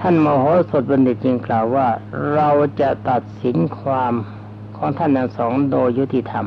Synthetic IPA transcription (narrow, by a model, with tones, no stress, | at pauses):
t̪ʰa˥˩nmɔː˧ɦɔː˦˥so˨˩t̪̚ba˧nde˨˩t̪̚t͡ɕi˧ŋklaː˨˩wːaː˥˩ɾa˧wt͡ɕa˨˩ʔt̪a˨˩t̪̚si˩˦nkʰwaː˧m | kʰɔː˩˦ŋt̪ʰa˥˩nt̪ʰa˥˩ŋsɔː˩˦ŋdoː˧jːu˦˥t̪i˧t̪ʰa˧m